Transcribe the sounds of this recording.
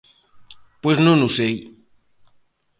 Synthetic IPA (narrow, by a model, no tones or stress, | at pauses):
pweznũnusej